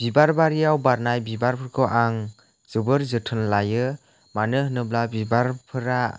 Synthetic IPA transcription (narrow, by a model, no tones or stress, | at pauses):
b̥ibaɾbaɾijawbaɾnajbibaɾpʰɯɾkʰɔʔaŋ | z̥ɯbɯɾzɯtʰɯnlajɯ | manɯhɯnɯblabibaɾpʰɯɾa